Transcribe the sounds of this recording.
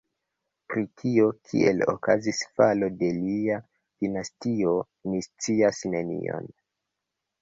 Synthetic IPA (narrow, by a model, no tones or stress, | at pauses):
pɾikʰio̞kʰḭḛlo̰kazisfalo̞de̞lia | d̥inastio̞ | nist͡siasne̞nḭo̞̰n